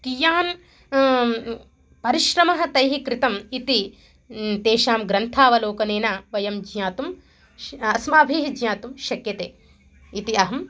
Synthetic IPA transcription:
kijaːn | pɐɾiʃɾɐmɐɦɐ̆t̪ɐjɦikɾɪt̪ɐmit̪i | t̪eːʃaːmɡɾɐnt̪ʰaːʋɐloːkɐneːnaʋɐjɐmd͡ʒjaːt̪um | ɐsmaːbʱiːɦid͡ʒjaːt̪umʃɐkjɐt̪eː | it̪iɐɦɐm

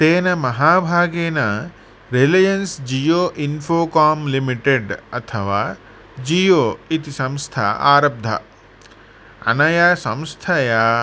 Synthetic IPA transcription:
t̪eːnɐmɐɦaːbʱaːɡeːnɐ | ɾelɐjɐnsd͡ʒijoːʔinfʰoːkaːmlimiʈeɖɐt̪ʰɐʋaː | d͡ʒijoːit̪isɐ̃mst̪ʰa̰ːʔa̰ːɾɐb̚d̪ʱɐ̰ | ɐ̰nɐjasɐ̃mst̪ʰɐja

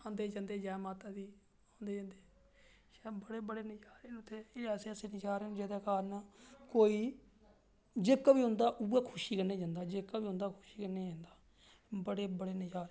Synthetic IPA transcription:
ãːnd̪eːd͡ʒãːnd̪eːd͡ʒaːmaːt̪aːd̪iː | ãːnd̪eːd͡ʒãːnd̪eː | ʃɛːbəɽeːbəɽeːnɪd͡ʒaːɾenʊt̪ʰːeːɪlɛːseəseːnɪd͡ʒaːɾeːnːd͡ʒeːd̪eːkaːɾnaːkoːiː | d͡ʒeːkːaːbiːɦʊ̃nd̪aːʔueːkʰʊʃiːkənːeːd͡ʒãːnd̪aːd͡ʒeːkːaːbiːʊ̃ːnd̪aːkʰʊʃiːkənːeːd͡ʒãːnd̪aː | bəɽeːbəɽeːnɪd͡ʒaːɾ

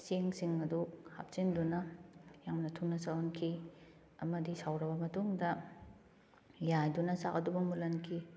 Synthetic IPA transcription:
seŋsiŋɐduha̰p̚sindunɐjaŋmnɐtʰunɐsaonkʰi | ɐmɐdisawɾɐbɐmɐtuŋdɐ | jajdunɐsakɐdubɐmulɐnkʰi

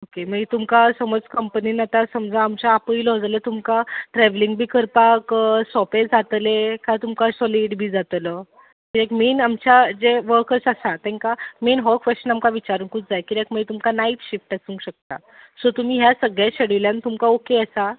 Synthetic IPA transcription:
okeməɡit̪umkasəməd͡zkəmpəninat̪asəmd͡zʱãːmt͡ɕaːpəiləɔd͡zalət̪umkaʈɾɛʋliŋɡbʱiːkəɾpaksɔpẽd͡zat̪lekajt̪umkasɔliɖbʱiːd͡zat̪lə | kiekmenamt͡ɕad͡zeʋəɾkəɾsasat̪ɛ̃ŋkamenɦɔkʋesənamkaʋit͡ɕaɾuːŋkʰut͡sd͡zajkiɾekməit̪umkanait̪ɕifʈasũːŋkɕək̚t̪a | sot̪um̤iːɦjasəɡɭjaɕəɽiʋljãnt̪umkaokeasa

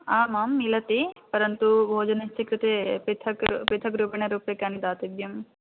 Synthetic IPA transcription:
aːmaːmːilɐt̪ipɐɾɐnt̪ubʱoːd͡ʒɐnɐst͡ʃʰikɾit̪epit̪ʰɐkpɾit̪ʰɐkɾupɐɳɐɾuːpekaːnid̪aːt̪ibjɐm

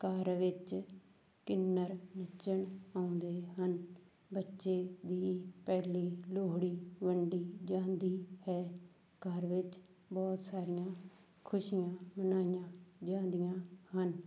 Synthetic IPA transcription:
kaːɾʋɪt͡ʃ | kɪnːəɾnət͡ʃəɳaːʊ̃nd̪eːɦən | bətːʃeːd̪iːpɛːliːloːɽiːʋəɳɖiːd͡ʒãːnd̪iːhɛː | kəɾʋɪt͡ʃ | bɔːt̪saːɾɪjãː | kʰʊʃijãːmənaːijãːd͡ʒãːnd̪ijãːhən

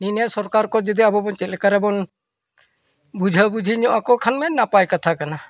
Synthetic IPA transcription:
ninasɔɾkaɾkɔd͡ʒɔd̪iabɔbɔnt͡ʃɛt̪lɛkaɾɛbɔn | bud͡ʒʱəbud͡ʒʱiɲɔʔakɔkʰanmɛnapajkat̪ʰakana

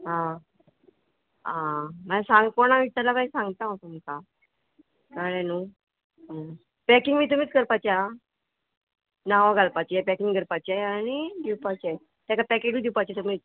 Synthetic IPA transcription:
ɦã | ɦãmasãŋɡkoɽ̃ãʋit͡ɕ̪alapajsãŋɡt̪ãɦot̪om̤əka | kəɽẽnu | ə | pɛkiŋɡmiːt̪̬um̤iːt͡sɡəɾpat͡ɕa | naʋaɡʱalpat͡ɕiɛpɛkiŋɡɡəɾpat͡ɕɛañid̪iwpat͡ɕe | t̪jãkapɛked͡ʑiːd̪iwpat͡ɕet̪um̤iː

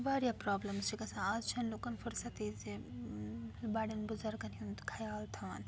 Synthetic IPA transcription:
baːɾjapɾaːblɐmst͡ʃʰikɐsãaːzt͡ʃʰɐnloːkɐnfʊɾsɐt̪ize | baːɽɐnbʊzɐɾɡɐnjunt̪kʰɐjaːlt̪ʰɐʋɐ̰n

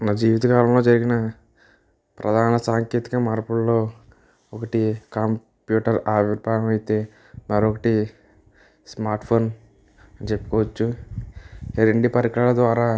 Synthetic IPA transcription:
naːd͡ʒiːʋit̪ɐkaːlɐmlo̞ːd͡ʒɐɾiɡinɐ | pɾɐd̪ʱaːnɐsaːŋkeːt̪i̥kɐmaːɾpuɭɐlo̞ː | ɔkɐʈikam | pjuːʈɐɾaːʋipɾaːjɐmɐjit̪e̞ː | mɐɾokɐʈi | smaːɾʈpʰo̞ːn | ɐnit͡ʃepːu̥kɔːʋɐt͡ʃːu | eɾeɳɖipɐɾikɐɭaɭɐd̪ʋaːɾaː

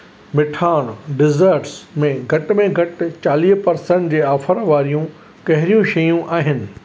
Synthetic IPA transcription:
mɪʈʰaːɽ̃ɖɪzəɾʈsmẽɡʱɐʈ̆mẽɡʱɐʈt͡ɕaːliːɦpɐɾsə̃ɳʈd͡ʑeːaːfəɾʋaːɾijũ | kɐɦɪɾijũʃɐjũʔaːɦɪnɪ̆

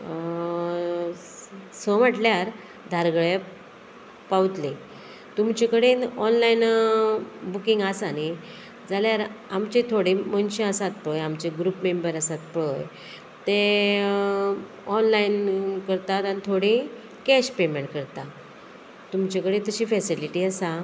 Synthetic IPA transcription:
səməʈljaɾ | d̪ʱaɾɡəɭja | pawt̪le | t̪umt͡ɕekəɽenɔnlain | bukĩŋɡasani | d͡zaljaɾamt͡ɕet̪ʰoɽemənɕə̃əsat̪̚pɭəjamt͡ɕeɡɾupmembəɾəsat̪̚pɭəj | t̪e | ɔnlainkəɾt̪at̪anit̪ʰoɽi | kɛɕpemeɳʈ̚kəɾt̪a | t̪umt͡ɕekəɽet̪əɕiːfɛsiliʈiːasa

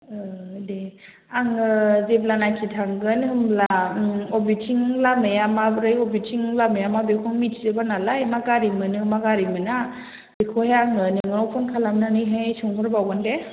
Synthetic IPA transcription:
ɯde | aŋɯzeb̚lanajkʰitʰaŋɡɯnɦɯmlaɔbitʰiŋlamejamabɾɯjɔbitʰiŋlamejamabekʰɔŋmitʰzebanalajmaɡaɾimɯnɯmaɡaɾimɯna | b̥ekʰɔheaŋɯnɯŋɯɔwpʰɔnkʰalamnanɯjɦajsɯŋɦɯɾbawɡande

